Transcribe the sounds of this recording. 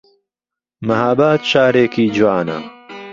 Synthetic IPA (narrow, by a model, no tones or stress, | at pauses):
mɐhaːbaːt̪ʃaːɾeːkiːd͡ʒuwaːnɐ̰